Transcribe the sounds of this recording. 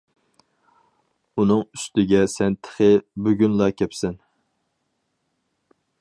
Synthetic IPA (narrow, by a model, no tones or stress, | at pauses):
unɨŋyst̪ɪɡʲɛsɛnt̪ʰə̥χɪbøɡʲynlˠɑkʲʰɛpsɛn